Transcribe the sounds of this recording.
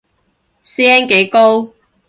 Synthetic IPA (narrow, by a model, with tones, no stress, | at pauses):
sɛː˥nke˨˥jko˥w